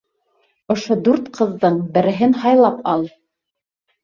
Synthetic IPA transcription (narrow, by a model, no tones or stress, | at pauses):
ŏʃod̪ʉɾt̪qʰɤ̆ðːɤɴbɘ̆ɾɘ̆ɦɘnhɑjlˠɑpɑlˠ